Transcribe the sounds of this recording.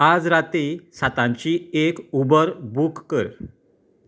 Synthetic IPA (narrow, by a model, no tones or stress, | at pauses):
ad͡zɾat̪isat̪ãɲt͡ɕiːekubəɾbukːəɾ